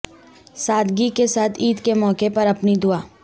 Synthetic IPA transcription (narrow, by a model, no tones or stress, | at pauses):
saːd̪ɡikesaːt̪ʰiːd̪kemɔːkepɐɾɐpnid̪ʊaː